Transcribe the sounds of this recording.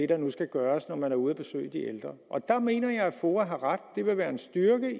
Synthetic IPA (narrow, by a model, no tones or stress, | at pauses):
e̝ɾ̥ɑ̈nusɡ̥æɡ̥ɶːɐsnɒmænæɐuðˠɐb̥e̝sø̰ːɪd̥iʔeld̥ʁɐʔɒ̽d̥ɑ̈me̝̰ːnɐjɑ̈ɪæfoːɐɦɑ̈ʁad̥̚ːe̝ʋe̝ʋæːɐe̝nsd̥yɐɡ̥ə